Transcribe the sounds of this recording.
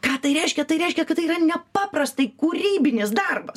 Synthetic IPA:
kɑːt̪ɐɪɾʲɛɪʃʲkʲɛt̪ɐɪɾʲɛɪʃʲkʲɛkɐt̪ːɐɪiːrɐnʲɛpɑːpɾɐst̪ɐɪkuːɾʲiːbʲɪnʲɪsd̪ɐrbɐs

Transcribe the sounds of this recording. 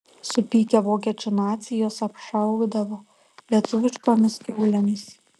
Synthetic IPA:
sʊpʲiːkʲɛʋoːkʲɛt͡ʃʲʊnɑːt̪sʲɪjoːsɐpʃɐˑʊɡd̪ɐʋoː | lʲiɛt̪ʊʋʲɪʃkoːmʲɪst̪ʲuːlʲɛmʲɪs

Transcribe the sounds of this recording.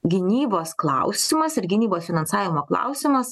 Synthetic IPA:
ɡʲɪnʲiːboːsklˠɑʊsʲɪmɐsɪɾɡʲɪnʲiːboːsfʲɪnɐnsɑːʋʲɪmoːklˠɑ̰ˑʊsʲɪmɐs

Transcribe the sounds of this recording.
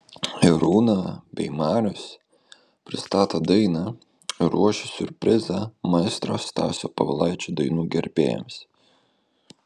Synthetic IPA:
ɪɾuːnɑbʲɛ̰ɪmɑːɾʲʊs | pʲɾʲɪst̪ɑːt̪ɐd̪ɐɪnɑː | ɪɾuɔʃʲɛsʲʊɾʲpʲɾʲɪzɐmɐɪst̪ɾoːst̪ɑ̰ːsʲo̰ːpɐʋɐlˠɐɪt͡ʃʲuːd̪ɐɪnuːɡʲɛɾʲpʲḛːjɛ̰ms

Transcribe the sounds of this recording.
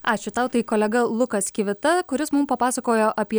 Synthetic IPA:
ɑːt͡ʃʲʊt̪ɐʊt̪ɐɪkoːlʲɛɡɐlˠʊkɐsʲkʲɪʋʲɪt̪ɐkʊɾʲɪsmʊmpɐpɑːsɐkoːjoːʔɐpʲiɛ

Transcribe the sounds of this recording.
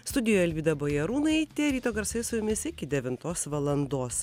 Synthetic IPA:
st̪ʊd̪ʲɪjoːjɛlʲʋʲiːd̪ɐboːjɛɾuːnɐɪt̪ʲeːɾʲiːt̪oːɡɐɾsɐɪsʊjʊmʲɪsɪkʲɪd̪ʲɛʋʲɪnt̪oːsʋɐlˠɐnd̪oːs

